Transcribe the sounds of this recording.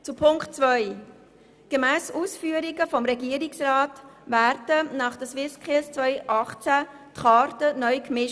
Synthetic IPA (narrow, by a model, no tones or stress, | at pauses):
t͡supʰʊŋkt͡sʋœʏ | ɡ̥emæːsuːsfyːəɾiɡəfɔmɾɛɡiəɾɪksrɑːtvæɾdənɑːχd̥əswɪskʰɪlst͡sʋœʏʔɑχt͡sæ | tχɑːɾtənœʏkmɪʃ